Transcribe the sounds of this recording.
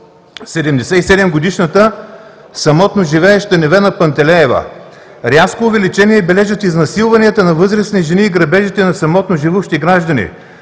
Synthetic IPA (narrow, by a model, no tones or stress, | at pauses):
sɛd̪ɛmd̪ɛsɛisɛd̪ɛmɡod̪iʃnət̪ə | sɐmɔt̪noʒivɛːʃt̪ɐnɛvɛnɐpɐnt̪ɛlɛːvə̰ | ɾʲaskoːvɛlit͡ʃɛniɛbɛlɛʒət̪iznɐsilˠvɐniət̪ənɐvɤzɾəsniʒɛniːɡɾɐbɛʒit̪ɛnɐsɐmɔt̪noʒivuʃt̪iɡɾaʒd̪ɐnḭ